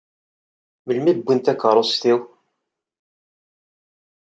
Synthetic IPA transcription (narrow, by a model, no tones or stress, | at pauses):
məlmibːint̪ækəɾˤost̪iw